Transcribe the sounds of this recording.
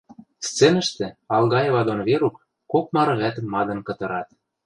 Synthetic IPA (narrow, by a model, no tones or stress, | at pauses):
st͡senə̆ʃt̪ĕɑlɣɑjeβɑd̪onβeɾukː | ok̚mɑɾɤ̆ɣæt̪ə̆mːɑd̪ɤ̆nkɤ̆t̪ɤ̆ɾɑt̪̚